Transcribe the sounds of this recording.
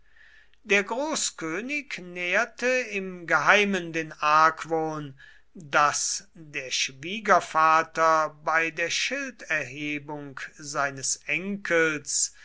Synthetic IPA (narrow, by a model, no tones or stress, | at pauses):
d̥eːɐɡʁoːskøːnɪknɛːɐtəɪmɡəɦaɪməndeːnaɐkvoːn | dasdeːɐʃv̥iːɡɐfaːtɐbaɪdeːɐʃɪltɛɐɦeːbʊŋkzaɪnəsʔɛŋkʰəls